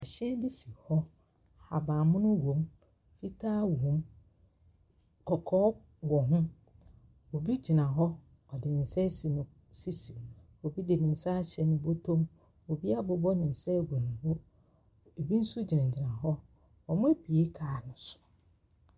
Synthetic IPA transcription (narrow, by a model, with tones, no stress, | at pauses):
ɛ˨ɕɛ˦bi˦si˨hɔ˦ | ha˨bãː˨mʊ̃˦nʊ̃˦wõ˨˦m | fi˦tʰaː˦wõ˨m | kʰɔ˨kʰɔː˦ | wɔ˨ɦʊ̃˦ | o˨bi˦d͡ʑi˨nã˨ɦɔ˦ | ɔ˨dɪ˨n̩˨sɛ˦si˨nɪ̃˨ | si˦si˨ | o˨bi˦dɪ˨nɪ̃˨n̩˨sa˦ɕɛ˨nʊ̃˨bo˦tʰõ˦m | o˨bi˦a˦bʊ˨˦bɔ˦nɪ̃˨n̩˨sɛ˦˨ɡo˨nʊ̃˨bo˦ | e˨bi˦n̩˦su˦d͡ʑi˨nã˨d͡ʑi˨nã˨ɦɔ˦ | ɔ˨mʊ̃˦e˦pʰi˨e˦kʰaː˨nʊ̃˨sʊ̥˨